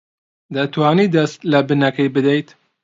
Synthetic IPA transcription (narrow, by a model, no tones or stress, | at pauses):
d̪ɐt̪waːniːd̪ɐst̪lɐbɨnɐkɐjbɨd̪ɐjt̪